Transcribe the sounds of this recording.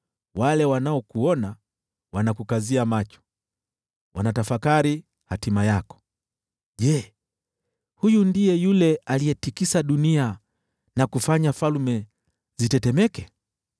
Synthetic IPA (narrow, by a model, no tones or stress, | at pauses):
walɛwanaɔkuɔna | wanakukaziamat͡ʃɔ̥ | wanatafakaɾi | hatimajakɔ̥ | ʄɛ | hujundijɛjulɛalijɛtikisaɗunia | nakufaɲafalmɛ | zitɛtɛmɛkɛ